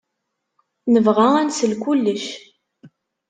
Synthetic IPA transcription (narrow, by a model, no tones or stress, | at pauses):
nəvʁæænsəlkʷulːəʃ